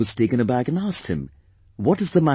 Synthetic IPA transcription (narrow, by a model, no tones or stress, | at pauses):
ʌz̥stɪkɨ̃nəbækɨ̃næst̚hɨ̰̃m | wʌɾɨzðəmæ